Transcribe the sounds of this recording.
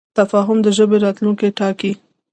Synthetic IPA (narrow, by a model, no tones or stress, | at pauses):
t̪afɑɦʊmd̪əʒəbeɾɑt̪luŋkeʈɑki